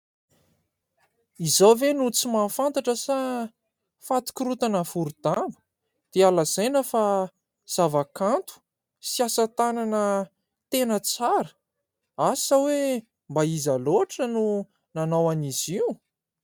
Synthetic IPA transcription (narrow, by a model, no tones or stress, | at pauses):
izawvenut͡simafant̪aʈ͡ʂəsa | fat̪i̥kʲiɾut̪anəfuɾud̪̥ambə̥ | d̪̥ealazajnəfa | z̥avakant̪u̥ | siasət̪ananə | t̪enət͡saɾə̥ | asawe | mbaizaloaʈ͡ʂənu | nanawanizi